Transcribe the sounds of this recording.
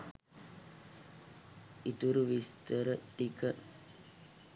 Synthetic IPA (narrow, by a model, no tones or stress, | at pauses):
it̪uɾuʋist̪əɾəikə